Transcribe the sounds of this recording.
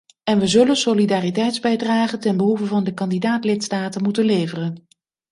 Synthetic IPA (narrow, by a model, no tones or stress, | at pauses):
ɛnʋəzɵlənsolidaːritɛjtzbɛjdraːχəntɛnbəɦuvəvɑndəkɑndidaːtlɪtstaːtənmutənlejvərən